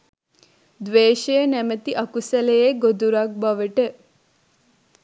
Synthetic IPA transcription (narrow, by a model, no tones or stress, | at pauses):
d̪ʋeːʃejənæmət̪iʔɐkusɐlejeɡod̪uɾɐk̚bɐʋəʈə